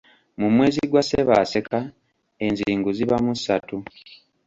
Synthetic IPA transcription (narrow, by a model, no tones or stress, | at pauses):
mumwe̞ːziɡwaseβa̰se̞ka | e̞nziːŋɡuziβamusatu